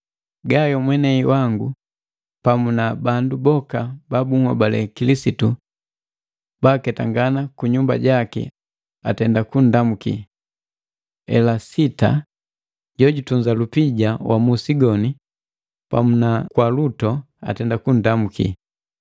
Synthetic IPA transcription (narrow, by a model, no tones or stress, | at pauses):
ɡajɔmwɛnɛiwaŋɡu | pamunabandubɔkababuŋwa̰balɛ̰kilisitu | b̥akɛtaŋɡanakuɲumba̰ɟakḭ | atɛndakun̩damukḭ | ɛ̰lasita̰ | ɟɔɟutuɲd͡ʒalupiɟawamusiɡɔni | pa̰munakwalutɔ | a̰tɛndakun̩damukḭ